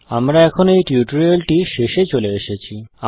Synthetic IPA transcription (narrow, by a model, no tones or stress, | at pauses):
amɾaɛkʰonoejʈiuʈoɾelʈiʃeʃet͡ɕoleeʃet͡ɕʰia